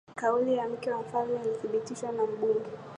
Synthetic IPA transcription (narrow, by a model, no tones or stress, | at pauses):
kaulijam̩kɛwam̩falmɛliθiɓitiʃwanam̩ɓuŋɡɛ